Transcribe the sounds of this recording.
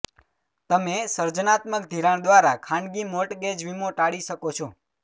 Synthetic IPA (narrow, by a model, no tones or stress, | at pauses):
t̪əmesəɾd͡ʒənat̪məkd̪ʱiɾaɳ̃d̪ʋaɾakʰãɳɖɡimoʈɡed͡ʒʋimoʈaɽiʃəkot͡ʃʰo